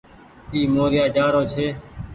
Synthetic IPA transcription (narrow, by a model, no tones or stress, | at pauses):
iːmoːɾɪjaːd͡ʒaːɾoːt͡ʃʰeː